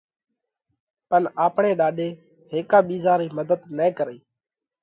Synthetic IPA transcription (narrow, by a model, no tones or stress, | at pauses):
pənaːpɳeːɗaːɗeː | ɦeːkãːɓiːzaːɾiːməd̪əd̪nẽːkəɾiː